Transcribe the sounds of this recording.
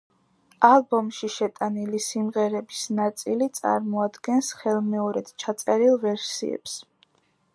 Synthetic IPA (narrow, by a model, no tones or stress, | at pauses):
alˠbɔmʃiʃɛt̪ʼanilisimʁɛɾɛbisnat̪sʼilit̪sʼa̰ɾmɔad̪ɡɛnsχɛlˠmɛɔɾɛd̪̥t͡ʃʰat̪sʼɛɾilˠvɛɾsḭɛ̰ps